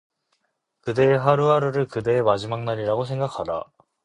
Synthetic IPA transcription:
kɯde̞ːɦaɾuɦaɾɯɾɯɭkɯde̞ːmad͡ʑimaŋnaɾiɾaɡosʰe̞ŋɡakʰada̰

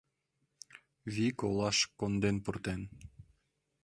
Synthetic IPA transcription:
βʲikolˠɑʃkond̪enpurt̪en

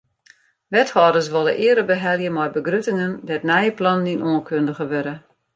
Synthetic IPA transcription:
ʋɛthɔːdəs̬ʋolˠəʔɪədəbəɦɛlˠjəmɔjbəɡrytɪŋəndɛtnɛjəplɔnninoːənkʰøndəɣəʋøɾə

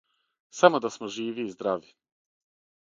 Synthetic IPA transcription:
samod̪asmoʒiːʋiːzd̪ɾaʋi

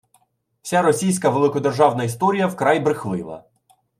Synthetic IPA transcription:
wsʲaɾɔsʲijsʲkɐʋelˠɪkɔd̪erʒɑwnɐist̪ɔɾʲijɐwkɾajbɾɪxlɪ̰lˠɐ̰

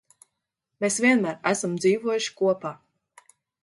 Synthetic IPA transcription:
mesvʲiɛnmæːɾæsamd̪ziːvuɔjuʃi̥kuɔpaː

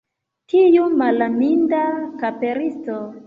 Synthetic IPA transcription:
tʰijumalamindakapeɾisto

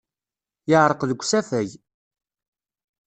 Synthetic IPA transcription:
jəʕɾˤəqðəɡʷːsæfæj

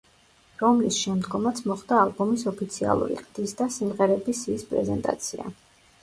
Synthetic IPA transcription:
ɾɔmlisʃɛmd̪ɡɔmat̪sʰmɔχd̪aːlˠbɔmisɔpʰit̪sʰia̰lˠṵɾḭqʼd̪̥isd̪asimʁɛɾɛbisiːspʼɾɛ̰zɛnt̪ʼa̰t̪sʰia̰

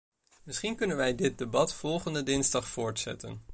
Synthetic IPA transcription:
mɪsχinkɵnənʋɛjdɪt̚debɑtfɔlˠχəndədɪnzdɑχfʊːɹtsɛ̰tə̰n

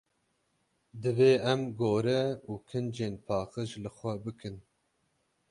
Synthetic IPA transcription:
d̪ɨveːɛmɡoːɾɛuːkʰɨnd͡ʒeːnpʰɑːqəʒlɨxʷɛbɨkʰɨn

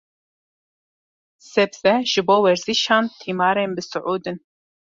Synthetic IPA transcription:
sɛbzɛʒ̥ɨboːwɛɾz̥iʃɑːnt̪ʰiːmɑːɾeːnbɨsʊʕuːd̪ɨn

